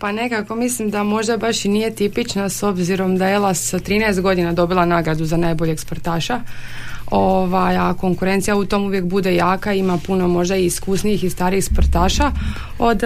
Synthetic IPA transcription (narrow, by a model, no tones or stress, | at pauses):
pane̞kako̞mislimd̪amo̞ʒd̪abaʃinije̞t̪ipit͡ʃnaso̞bziɾo̞md̪aelˠast̪ɾiːnɛest̪̚ɡo̞d̪inad̪o̞bilˠanaːɡɾad̪uzanajboʎeɡspoɾt̪aːʃa | oʋajako̞ŋkuɾe̞nt̪sijaut̪o̞ːmuʋje̞k̚bud̪e̞jaːkaimapuno̞mo̞ʒd̪aiːskusnijixist̪aːɾixspoɾt̪aːʃa | o̞d̪